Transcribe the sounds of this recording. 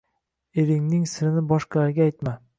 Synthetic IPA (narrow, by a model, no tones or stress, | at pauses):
eɾɪŋnɪŋsɪɾɪnɪbɒʃqʰɑlaɾɡʲaːjt̪ma